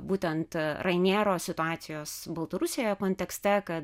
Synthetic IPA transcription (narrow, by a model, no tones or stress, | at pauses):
buːt̪ʲɛnt̪ɾɐɪnʲeːɾoːsʲɪt̪ʊɑːt̪sʲɪjoːsbɐlˠt̪ɐɾʊsʲejojokoːnʲt̪ʲɛksʲt̪ʲɛkɐ